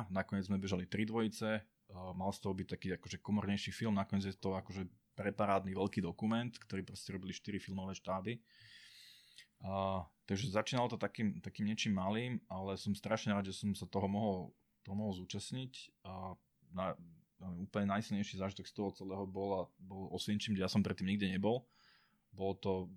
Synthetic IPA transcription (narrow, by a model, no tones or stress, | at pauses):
nakɔɲɪɛd͡zzmɛbɛʒalit̪ɾid̪ʋɔjit͡sɛ | malst̪ɔɦɔbic̚t̪akiːakɔʒɛkɔmɔɾɲɛjʃiːfilmnakɔɲɛd͡zjɛt̪ɔakɔʒɛpɾɛpaɾaːd̪niʋɛlkiːd̪ɔkumɛnt̪kt̪ɔɾiːpɾɔstɛɾɔbiliʃt̪iɾifilmɔʋɛːʃt̪aːbi | t̪aɡʒɛzat͡ʃiːnalɔt̪ɔt̪akiːmt̪akiːmɲɪɛt͡ʃiːmːaliːmalɛsɔmst̪ɾaʃɲɛɾaːd̪ʒɛsɔmsat̪ɔɦɔmɔɦɔl | t̪ɔɦɔmɔɦɔlˠzuːt͡ʃasɲicː | na | uːpl̩ɲɛnajslɲɛjʃiːzaːʒit̪ɔkst̪ɔɦɔt͡sɛlɛːɦɔbɔlabɔlɔsʋɛɲt͡ʃiːmd͡ʑɛjasɔmpɾɛt̪ːiːmɲiɡɟɛɲɛbɔlˠ | bɔlɔt̪ɔ